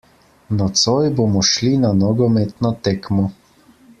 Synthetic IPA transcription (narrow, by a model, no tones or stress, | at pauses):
nɔt̪sɔjbomɔʃlinanɔɡɔmet̪nɔt̪ekmɔ